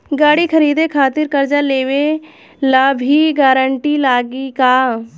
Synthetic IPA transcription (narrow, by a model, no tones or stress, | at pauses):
ɡaːɽikʰəɾiːd̪ekʰaːt̪ɪɾkəɾd͡ʒaleːʋe | labʱiɡaːɾəɳʈilaːɡikaː